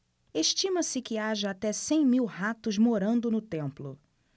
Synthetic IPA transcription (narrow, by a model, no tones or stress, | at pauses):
eʃt͡ʃĩmɐsɪkɪaʒɐːt̪ɛsẽj̃miwhat̪ʊzmoɾɐ̃nd̪ʊnʊt̪ẽmplʊ